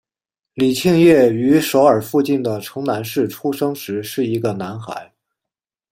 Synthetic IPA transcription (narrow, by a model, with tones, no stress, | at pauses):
li˨˩t͡ɕʰi˥˧ŋjɛ˥˩y˧˥ʂo˧˥ʊə˞˨˩fu˥˧t͡ɕi˥˩nd̪ə˩ʈ͡ʂʰɤ˧˥ŋna˧˥nʂɻ̩˥˩ʈ͡ʂʰu˥ʂɤ˥ŋʂɻ̩˧˥ʂɻ̩˥˩i˧˥ɡə˧na˧˥nxa̰˧˥ɪ